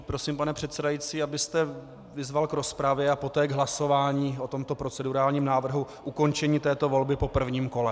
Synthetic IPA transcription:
pɾo̞simpanɛpr̝̥ɛt̪sɛdajit͡siːabɪst̪ɛ | vɪzvalkɾo̞spɾavjɛapo̞t̪ɛːɡɦlaso̞vaːɲiːʔo̞t̪o̞mt̪o̞pɾo̞t͡sɛduɾaːlɲiːmnaːvr̩ɦuʔuko̞nt͡ʃɛɲiːt̪ɛːt̪o̞vo̞lbɪpo̞pr̩vɲiːmko̞lɛ

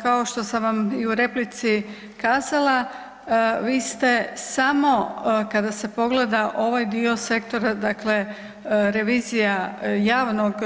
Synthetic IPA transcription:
kao̞ʃt̪o̞samʋamiuɾe̞plit̪si | kaːzala | ʋiːst̪e̞samo̞kad̪ase̞po̞ɡle̞d̪aʔo̞ʋajd̪io̞se̞kt̪o̞ɾad̪akle̞ | ɾe̞ʋiːzijajaːʋnoɡ

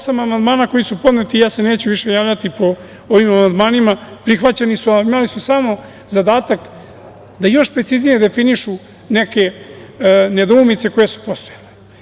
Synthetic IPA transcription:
osamamand̪maːnakojisupo̞d̪net̪ijaːse̞neːt͡ɕuʋiʃe̞jaːʋʎat̪ipo̞ | oʋimamand̪maːnimapɾixʋat͡ɕenisuaimalisusamo̞ | zad̪aːt̪ak | d̪ajo̞ʃpɾesiznijed̪e̞finiʃu | neke̞ | ned̪oumit̪se̞ko̞jesu̥po̞st̪ojale

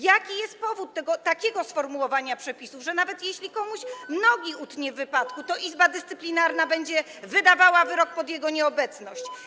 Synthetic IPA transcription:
jakʲijɛst̪̚pɔvut̪ːɛɡɔt̪akʲɛɡɔsfɔɾmuwɔvaɲapʂɛpʲisuvʐɛnavɛt̪jɛɕlʲikɔmuɕmnɔɡʲiut̪ɲɛvːɘpat̪kut̪ɔʔizbad̪ɘst̪sɘplʲinaɾnabɛɲd͡ʑɛ | vɘd̪avawavɘɾɔk̚pɔd̪ʲjɛɡɔɲɛɔbɛt̪snɔɕt͡ɕ

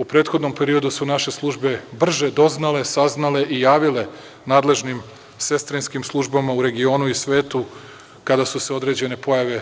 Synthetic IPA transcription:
upɾe̞ːt̪xo̞d̪no̞mpe̞ɾio̞d̪usunaʃe̞slˠuʒbe̞br̩ʒe̞d̪o̞znale̞saznale̞ʔijaːʋile̞ | naːd̪le̞ʒnim | se̞st̪ɾinskimslˠuʒbamauɾe̞ɡio̞ːnuisʋe̞ːt̪u | kad̪asuseo̞d̪ɾe̞d͡ʑe̞ne̞po̞jaʋe̞

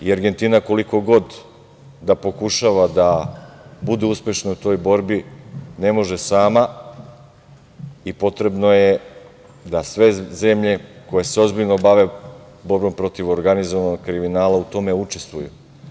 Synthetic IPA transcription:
iaɾɡe̞nt̪inako̞liko̞ɡo̞d̪ | d̪apo̞kuʃaʋad̪a | bud̪euspʲje̞ʃnout̪o̞jbo̞ɾbine̞mo̞ʒe̞saːma | ipo̞t̪ɾe̞bno̞je | d̪asʋe̞ze̞mʎe̞ko̞je̞seo̞zbiʎnobaʋe̞ | bo̞ɾbo̞mpɾo̞t̪iʋo̞ɾɡanizoʋanoɡkɾiminaːlaut̪o̞me̞ut͡ʃe̞st̪ʋujṵ

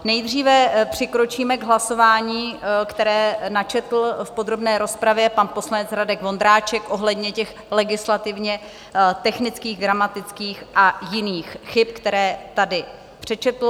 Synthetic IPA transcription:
nɛjd̪r̝iːvɛpr̝̥ɪkɾo̞t͡ʃiːmɛɡɦlaso̞vaːɲiːkt̪ɛɾɛːnat͡ʃɛt̪l̩fpo̞d̪ɾo̞bnɛːɾo̞spɾavjɛpanpo̞slanɛt͡sɾadɛkvo̞nd̪ɾaːt͡ʃɛkʔo̞ɦlɛd̪ɲɛcɛx | lɛɡɪslat̪ɪvɲɛ | t̪ɛxnɪt͡skiːɣɡɾamat̪ɪt͡skiːxʔajɪniːxxɪp̚kt̪ɛɾɛːt̪adɪ | pr̥ɛt͡ʃɛt̪l̩

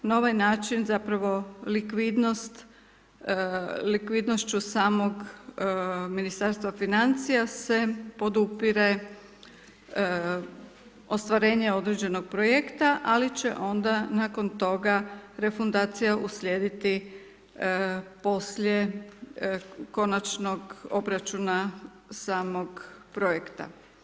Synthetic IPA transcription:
naoʋajnaːt͡ʃinzapɾaʋo̞likʋid̪nost̪ | likʋid̪no̞ʃt͡ɕusaːmo̞ɡ | minist̪aɾst̪ʋafinant̪sijase̞po̞d̪upiɾe | o̞st̪ʋaɾe̞ːɲe̞o̞d̪ɾed͡ʑe̞no̞ɡ̥̚pɾoje̞kt̪aʔalit͡ɕe̞̰ʔo̞nd̪anako̞nt̪o̞ɡaɾe̞fund̪aːt̪sijaʔuslʲje̞ːd̪it̪i | po̞slʲje | ko̞nat͡ʃno̞ɡo̞bɾat͡ʃuna | saːmo̞ɡpɾojekt̪a̰

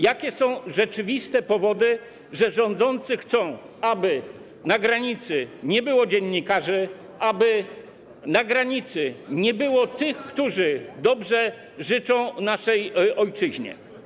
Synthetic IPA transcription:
jakʲɛsɔ̃w̃ʐɛt͡ʂɘvʲist̪ɛpɔvɔd̪ɘ | ʐɛʐɔ̃nd̪zɔnt̪sɘxt̪sɔ̃w̃ | abɘ | naɡɾaɲit̪sɘɲɛbɘwɔd͡ʑɛɲːikaʐɘ | ʔabɘ | naɡɾaɲit̪sɘɲɛbɘwɔt̪ɘxkt̪uʐɘd̪ɔbʐɛ | ʐɘt͡ʂɔ̃w̃naʂɛjɔjt͡ʂɘʑɲɛ̰

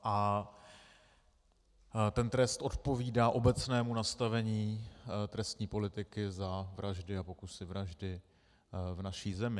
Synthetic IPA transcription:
ʔa | t̪ɛnt̪ɾɛst̪ʔo̞t̪po̞viːdaːʔo̞bɛt͡snɛːmunast̪avɛɲiːt̪ɾɛst̪ɲiːpo̞lɪt̪ɪkɪzavɾʔaʒdɪapo̞kusɪvɾaʒdɪ | vnaʃiːzɛmɪ

